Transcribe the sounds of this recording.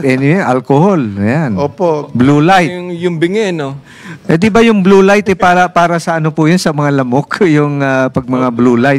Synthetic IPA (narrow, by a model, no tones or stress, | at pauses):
ʔɛnɪwɛʔalkoholjanoːpobluːlajt̪ŋjʊŋbɪŋɛno | ʔɛd̪ɪbajʊŋbluːlajt̪ɛpaːɾɐpaːɾɐsɐʔɐnopʊjʊnsɐmɐŋalɐmokjʊŋapɐɡ̚mɐŋabluːlajt̪